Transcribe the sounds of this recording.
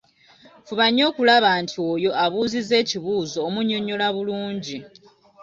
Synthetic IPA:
fuβaɲːo̞ːkulaβaːntʰioːjo̞ʔaβuːzize̞ːciβuːzo̞ːmuɲːo̞ɲːo̞laβuluːɲɟi

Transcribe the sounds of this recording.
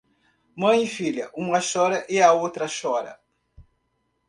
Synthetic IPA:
mɐ̃j̃ɪfiʎɐʔũmɐʃɔɾɐʔɪɐowt̪ɾɐʃɔɾɐ̰

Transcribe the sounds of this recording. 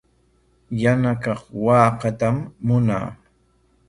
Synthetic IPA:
janakɑχwɑːqɑt̪amːʊna̰ː

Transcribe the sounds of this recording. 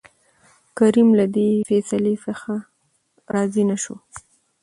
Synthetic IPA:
kaɾimlad̪efɛsalesaxa | ɾɑzinaʃo

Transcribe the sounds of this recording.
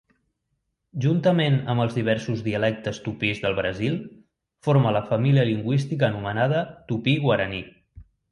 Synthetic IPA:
ʒunt̪əmenəmbəlˠzðiβ̞ɛɾsuzðiəlɛk̚t̪əst̪upizðəlˠβɾəzilˠ | foɾmələfəmiliəliŋɡwist̪ikəːnumənað̞ət̪upiɣwəɾəni

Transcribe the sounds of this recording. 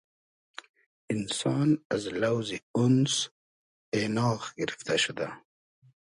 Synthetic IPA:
ɪnsɑːnazlawziʊns | enɑːxɡɪɾift̪aʃud̪a

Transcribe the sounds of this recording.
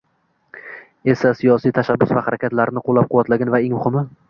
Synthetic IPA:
e̞sasijɒsijt̪ʰaʃabːʊ̰svahaɾakʲʰat̪laɾnɪqʰolˠːap̚qʰʊwat̪laɡʲanvae̞ŋmʊhɪmɪ

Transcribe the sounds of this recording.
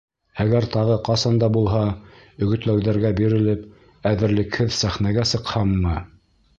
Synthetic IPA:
æɡæɾt̪ɑʁɤqɑsɑnd̪ɑbulˠɦɑ | ɵ̆ɡɵ̆t̪læwðæɾɡæbiɾɘ̆lɘp | æðɘ̆ɾlɘ̆khɘðsæχnæɡæsɤ̆qhɑmːɤ

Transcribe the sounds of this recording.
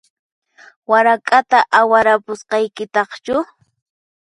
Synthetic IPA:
waɾakʼat̪aʔawaɾapʊsqɑjkɪt̪ɑχt͡ʃʊ

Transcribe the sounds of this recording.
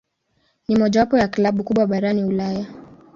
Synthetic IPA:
nimɔʄawapɔjaklaɓukuɓwaɓaɾaniulaja

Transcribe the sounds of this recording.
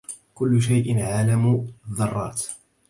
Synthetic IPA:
kʊlːʊʃ̬ajʔɪnʕaːlamuːðˤːɑrˤːɑ̰ːt̪

